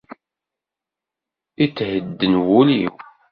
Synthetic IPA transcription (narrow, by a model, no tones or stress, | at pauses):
it͡sːhəd̪ːənwuliw